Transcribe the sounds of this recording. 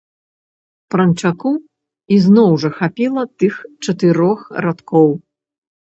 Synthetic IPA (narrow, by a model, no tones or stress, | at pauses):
pɾɐnt͡ʂaku | iznɔwʐɐxapʲilˠɐt̪ɨxt͡ʂɐt̪ɨɾɔxɾat̪kɔw